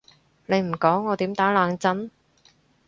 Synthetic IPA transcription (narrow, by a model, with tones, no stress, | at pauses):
le˨˧jm̩˨˩kɔː˨˥ŋːɔː˨˧t̪iː˨˥mt̪aː˨˥laː˨˧ŋt͡sɐ˥n